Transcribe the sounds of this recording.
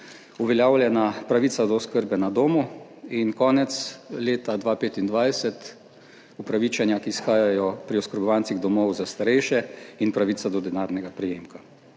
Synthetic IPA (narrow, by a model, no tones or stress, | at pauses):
uʋɛljaːwlʲjɛnapɾaʋiːsad̪ɔɔskəɾbɛnad̪oːmu | inkɔːnɛt̪sleːt̪ad̪ʋaːpeːt̪ind̪ʋajsɛt̪ | upɾaʋiːt͡ʃanjakiːsxaːjajɔpɾiɔskəɾbɔʋant̪iɣd̪ɔmɔwzast̪aɾɛjʃɛinpɾaʋisad̪ɔd̪ɛnaːɾnɛɡapɾɛjeːmka